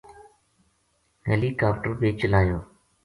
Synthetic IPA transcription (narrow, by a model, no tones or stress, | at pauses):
ɦeːliːkaːpʈəɾbeːt͡ʃəlaːjoː